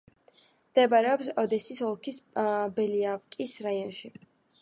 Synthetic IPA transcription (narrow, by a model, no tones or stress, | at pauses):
md̪̥ɛbaɾɛɔpsɔd̪ɛsisɔlˠkʰisbɛliavkʼisɾaiɔnʃi